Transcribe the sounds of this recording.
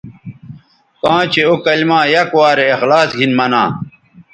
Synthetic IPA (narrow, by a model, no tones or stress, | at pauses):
kãːt͡ɕʰeokɐlmãːjɐkwaːɾeːxlaːsɡʱinmɐnã̰ː